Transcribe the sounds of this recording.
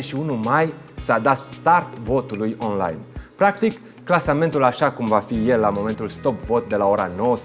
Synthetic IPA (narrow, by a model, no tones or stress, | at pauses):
ʃiunumaj | sad̪at̪st̪art̪vo̞t̪ulujo̞nla̰jnpɾakt̪ikː | lasame̞nt̪ulaʃakumvafije̞lːamo̞me̞nt̪ulst̪o̞pvo̞t̪̚d̪e̞lao̞ɾanowəs